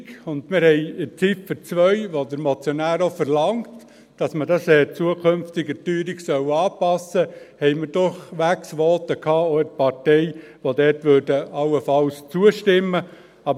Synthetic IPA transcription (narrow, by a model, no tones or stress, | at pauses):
ʊnd̪mɪɾhɛɪɪt͡sifət͡sʋœʏʋod̪əɾmɔt͡sjɔnæːɾɔfəɾlɑŋt | d̥ɑsmədɑsɛt͡suəkʰømftɪɡətyːɾiɡsœwɑːpɑsəhɛɪməɾdʊχʋæksʋɔːt̪əkʰɑːoɪtpɑɾtɛɪ | ʋodɛːtʋøːdəɑlːəfɑlst͡suəʃtɪmːə | ɑb